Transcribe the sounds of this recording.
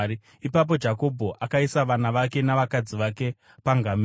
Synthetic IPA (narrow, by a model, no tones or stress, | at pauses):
ɾi | ipap̬o̞d͡ʒako̞bʱo̞ʔakaisaʋanaʋake̞naʋakad͡ziʋake̞ | paŋɡam